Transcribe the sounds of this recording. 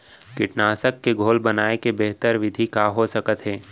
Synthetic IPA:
kɪʈnaːsəkːeɡʱoːlbɐnaːekebeɦt̪əɾʋɪd̪ʱikaɦosəkət̪ɦɛː

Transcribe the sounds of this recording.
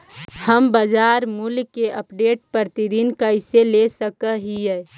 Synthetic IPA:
həmbəd͡ʒaːɾmulkeʔəpɖeːʈ̚pəɾt̪id̪inkəɪselesəkəɦiɛ

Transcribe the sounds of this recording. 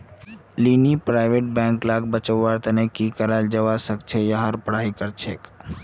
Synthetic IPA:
linipɾaɪʋeʈ̚bɛ̃ːŋklaɡ̚bət͡ʃəwːaɾt̪ənekikəɾald͡ʒəʋasəkt͡ʃʰejəɦaɾpəɽ̤aikəɾt͡ʃʰek

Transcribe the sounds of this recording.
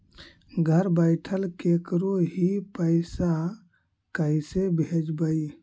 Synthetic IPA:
ɡʱəɾbəɪʈʰəlkekɾoɦipəɪsa | kəisebed͡ʒbəi

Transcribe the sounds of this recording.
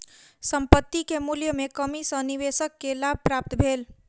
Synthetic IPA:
səmpət̪ːikemuljəmekəmisə̃niʋesəkːelab̚ʱpɾap̚t̪bʱel

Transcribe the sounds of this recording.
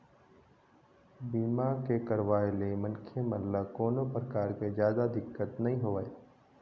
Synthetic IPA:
biːmakekəɾʋaːelemənkʰjeməllakoːnopɾəkaːɾked͡ʒjaːd̪ad̪ɪkːət̪nɐɦĩɦoʋae

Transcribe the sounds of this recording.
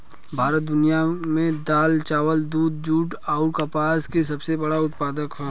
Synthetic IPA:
bʱaːɾət̪̚d̪ʊnijamẽd̪aːlt͡ʃaːʋəld̪uːd̪̚d͡ʒuːʈ | aːʊɾkapaːskes̬ɐbsebɐɽaʊt̪̚paːd̪əkɦɛː

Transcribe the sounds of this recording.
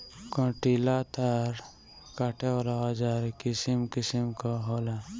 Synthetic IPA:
kõʈilat̪ʰaɾ | kaʈʰeɾaad͡ʒaɾkɪsimkɪsimkaɦoːla

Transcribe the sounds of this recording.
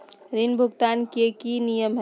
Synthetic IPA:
ɾinbʱʊɡt̪aːnkekinijəmɦ

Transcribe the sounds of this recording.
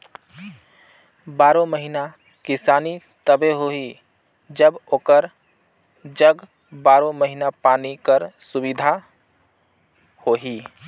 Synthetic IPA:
baːɾõməɦina | kɪsaːni | t̪əbeɦoɦi | d͡ʒəboːkəɾ | d͡ʒəɡ | baːɾõməɦinapaːnikəɾsubid̪ʱa | hoɦi

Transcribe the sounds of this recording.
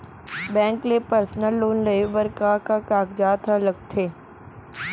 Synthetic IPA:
bɛ̃ːŋklepəɾsnəlːoːnɖəebəɾkakakaːkd͡ʒaːt̪ʰaləɡ̚t̪ʰeː

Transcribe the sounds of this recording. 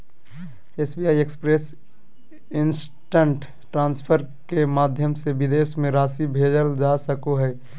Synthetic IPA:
eːsbiaːiekspɾes | ɪns | ʈəɳʈ | ʈɾãːnspʰəɾ | kemaːd̪ʱjəmsebɪd̪eːsmẽɾaːsibʱeːd͡ʒəld͡ʒasəkoɦɛː

